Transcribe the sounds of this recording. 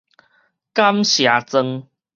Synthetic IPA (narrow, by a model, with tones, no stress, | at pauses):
ka˦mɕja˨˧˦t͡sə˧ŋ